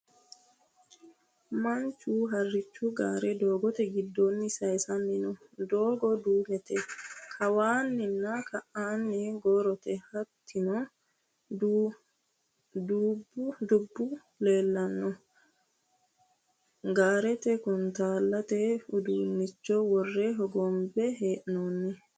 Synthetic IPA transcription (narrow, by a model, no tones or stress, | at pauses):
maɲt͡ʃuɦarːit͡ʃːuɡa̰ːɾɛdɔːɡɔt̪ɛɡidːonːisajsamːinɔdɔːɡɔduːmɛt̪ɛkʰawaːnːinːakaanːɛɡɔɾɔt̪ɛhatʰːinɔ | du | dubud̪ubːu | leːlːɐnːɔ | ɡaːɾɛt̪ɛkunt̪aːlːat̪ɛud̪uːnːit͡ʃːɔwɔrːɛɦɔɡɔmbɛɦeːʔnoːnːɛ